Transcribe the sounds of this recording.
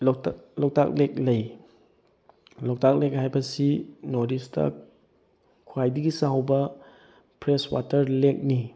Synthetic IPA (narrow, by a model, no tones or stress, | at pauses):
llɔk̚ta̰k̚lek̚lɐj | lɔk̚tak̚lek̚ɦajbɐsinoɾistʰɐ̰ | kʰːwajdiɡisawbɐ | pɾeswa̰tʰɐɾlek̚ni